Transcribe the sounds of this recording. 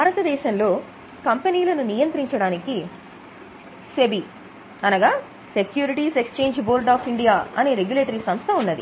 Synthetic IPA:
bʱaːɾɐt̪ɐd̪ɛːʃɐnlo̞ː | kɐmpeniːlɐnunijɐnt̪ɾiɲt͡ʃɐɽaːniki | se̞bi | ɐnɐɡaː | se̞kjuːɾiʈiːsekst͡ʃe̞ːɲd͡ʒboːɾɖaːpʰiɳɖijaːɐne̞ːɾe̞ɡjuleːʈɐɾiːsɐmst̪ʰɐunːɐd̪ḭ

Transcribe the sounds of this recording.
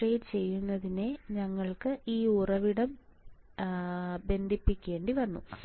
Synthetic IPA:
reːdt͡ɕe̞jːunːɐðineɲɐŋːɐɭkɨʔiːurɐʋiɽɐm | be̞nd̪ʱipːikʲːe̞ːɳɖiʋɐnːu

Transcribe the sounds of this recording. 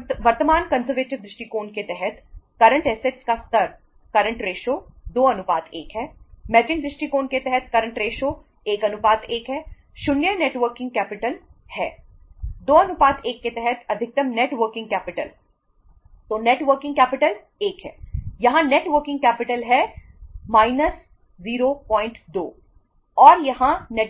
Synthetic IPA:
ʋɐɾt̪əmaːnkɐnzəɾʋeːʈɪʋd̪ɾɪʃʈikoːnket̪ɛɦɛt̪kɐɾə̃ɳʈɛseʈskast̪ɐɾ | kɐɾə̃ɳʈɾeːʃoːd̪oːɐnʊpaːd̪eːkɦɛːmɛːd͡ʒɪ̃ŋd̪ɾɪʃʈikoːnket̪ɛɦɛt̪kɐɾə̃ɳʈɾeːʃoː | eːkɐnʊpaːd̪eːkɦɛː | ʃʊnjəneːʈʋəɾkɪ̃ŋɡkɛːpɪʈəlhɛ̰ː | d̪oːɐnʊpaːd̪eːkːet̪ɛɦɛt̪ʰɐd̪ʱɪk̚t̪əmneːʈʋəɾkɪ̃ŋɡ̚kɛːpɪʈə̰l | t̪oːneːʈʋəɾkɪ̃ŋɡkɛːpɪʈəl | eːkɦɛ̰ːjɐɦãneːʈʋəɾkɪ̃ŋɡ̚kɛːpɪʈəlɦɛː | maːɪnəs | ziːɾoːpɔ̃ːɪ̃ɳʈd̪o̰ː | ɔːɾjɐɦãnɛ

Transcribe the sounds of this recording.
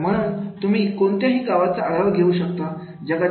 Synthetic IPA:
m̤əɽ̃uːnt̪um̤iːkont̪jaɦiːɡaʋat͡saʔaɡaʋɡʱeuːɕək̚t̪a | d͡ʑəɡa

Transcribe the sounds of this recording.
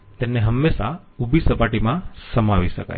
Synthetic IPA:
t̪emneɦəmːeʃa | ubʱisəpaʈimãsəmaʋiʃə̰ka̰j

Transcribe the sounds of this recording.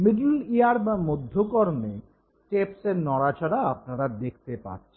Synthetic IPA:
miɖuliaɾbamod̪ʱːokoɾme | ʈepseɾnɔɾat͡ɕaɽaap̚naɾad̪ek̚ʰt̪epa̰ɾt͡ɕʰe

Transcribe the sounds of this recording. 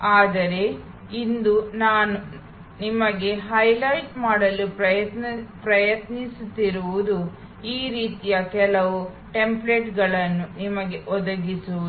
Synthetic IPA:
aːd̪ɐɾe̞ | ind̪unaːnu | nimɐɡe̞ɦɐjlɐjʈmaːɽɐlupɾɐjɐt̪nɐpɾɐjɐt̪nisut̪ːiɾuʋud̪u | iːɾiːt̪ijɐkɛlɐʋu | ʈe̞mple̞ʈɡɐɭɐnːunimɐɡe̞ʔɔd̪ɐɡisuu

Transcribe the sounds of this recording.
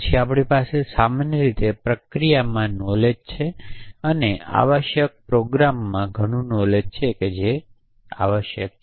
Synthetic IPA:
t͡ʃʰiapɽipasesamanjəɾit̪epɾəkɾijamãnɔled͡ʒt͡ʃʰeənea̰ʋəʃjək̚pɾoɡɾamːãɡʱəɽ̃ũnɔled͡ʒt͡ʃʰeked͡ʒe | a̰ʋəʃjə̰k̚

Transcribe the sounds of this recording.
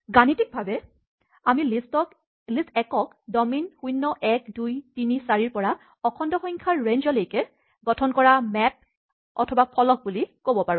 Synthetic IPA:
ɡanitik̚bʱabɛ | amilistɔk | listɛkɔk | dɔminxujnːɔʔɛkdujtinisaɹiɹpɔɹa | ɔkʰɔndɔxɔŋkʰaɹɹend͡ʒɔlojkɛ | ɡɔtʰɔnkɔɹamɛp̚ | ɔ̰tʰɔbapʰɔlɔk̚bulikobɔpaɹũ

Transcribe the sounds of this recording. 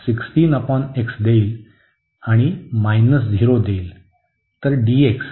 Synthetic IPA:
siksʈiːnəpɔneksd̪eil | aɽ̃imajnəs̬d̪ʱiɾod̪eil | t̪əɾɖieks

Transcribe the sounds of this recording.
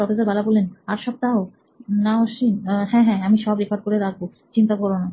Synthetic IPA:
ɔfes̬aɾbalabolːenaɾʃɔb̚t̪ao | naoʃinhɛ̃ɦɛ̃amiʃɔbɾekʰaɖ̚koɾeɾak̚ʰbo | t͡ɕint̪akɔɾbona

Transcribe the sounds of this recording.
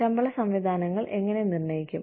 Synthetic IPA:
ɐmbɐɭɐsɐmʋid̪ʱaːnɐŋːɐɭʔe̞ŋːɐne̞nirnɐjikʲːum

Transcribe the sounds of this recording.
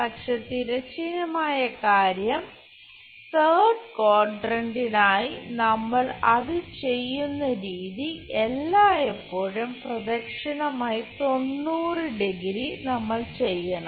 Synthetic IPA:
pɐkʂe̞ːt̪iɾɐt͡ɕinɐmaːjɐkaːɾjɐm | t̪eːɖkoːrɖrɐɳɖinaːjinɐmːɐɭɐðɨt͡ɕe̞jːunːɐɾiːðiʔe̞lːaːepːoːɻumprɐd̪ɐkʂɐnɐmaːjit̪o̞nːuːrɨɖeɡɾinɐmːɐɭt͡ɕe̞jːɐɳɐm

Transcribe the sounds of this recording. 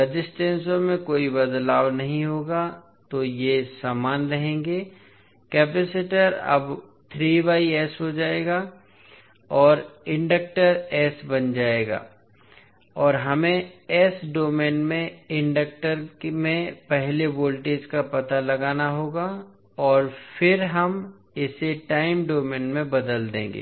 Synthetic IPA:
əd͡ʒɪsʈẽːnsõmẽkoːibɐd̪laːwnɐɦĩɦoːɡa | t̪ojesaːmaːnɾɐɦẽːŋɡeː | kɛːpesɪʈəɾɐ̰b | t̪ʰɾiːʋaːiɛːsɦod͡ʒaːeːɡaː | ɔːɾɪ̃ɳɖək̚ʈəɾɛːsbɐnd͡ʒaːeːɡa̰ː | ɔːɾɦɐmẽɛːsɖoːmẽːnmẽɪ̃ɳɖək̚ʈəɾkmẽpɛɦleboːlʈeːd͡ʒkapɐt̪alɐɡaːnaɦoːɡa | ɔːɾfʰɪɾɦɐm | ɪseʈaːɪmɖoːmẽːnmẽbɐd̪əld̪ḛ̃ːŋɡḛː

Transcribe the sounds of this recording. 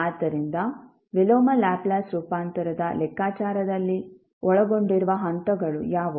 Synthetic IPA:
aːt̪ɐɾind̪ɐ | ʋiloːmɐlaːplaːsɾuːpaːnt̪ɐɾɐd̪ɐlɛkːaːt͡ʃaːɾɐd̪ɐlːi | ɔɭɐɡo̞ɳɖiɾuʋɐɦɐnt̪ɐɡɐɭujaːʋu

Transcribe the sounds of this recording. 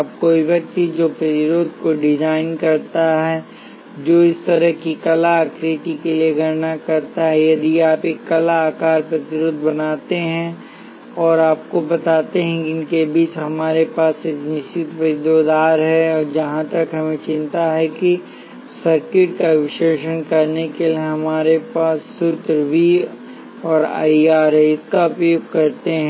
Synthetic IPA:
aːp̚koːiʋɐk̚t̪id͡ʒoːpɾɐt̪ɪɾoːd̪̚koɖɪd͡ʒaːɪnkɐɾt̪aɦɛː | d͡ʒoːɪst̪ɐɾəɦkikɐlaːkɾɪʈikelieɡʱɐɾnakɐɾt̪aɦɛjɐd̪iaːpeːkːɐlaaːkaːɾpɾɐt̪ɪɾʊd̪ʱbɐnaːt̪eɦɛ̃ | ɔːɾaːp̚kobɐt̪aːt̪eɦɛ̃kiɪnkebiːt͡ʃɦɐmaːɾepaːseknɪʃt͡ʃɪt̪ʋɪd̪od̪aːɾɦɛɔːɾd͡ʒɐɦãt̪ɐkɦɐmẽt͡ʃɪ̃nt̪aɦɛki | sɐɾkɪʈ̚kaʋɪʃeːʃənkɐɾnekelieɦɐmaːɾepaːsːʊt̪ɾʋi | ɔːɾa̰ːiaːɾɦɛɪskaɐpuːɡ̚kɐɾt̪eɦɛ̃

